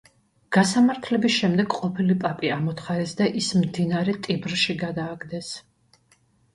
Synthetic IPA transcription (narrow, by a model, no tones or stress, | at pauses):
ɡ̥asamaɾt̪ʰlɛbisʃɛmd̪ɛɡqʼɔpʰilipʼapʼiamɔt̪χaɾɛsd̪aʔismd̪inaɾɛt̪ʼibɾʃiɡad̪aːɡd̪ɛs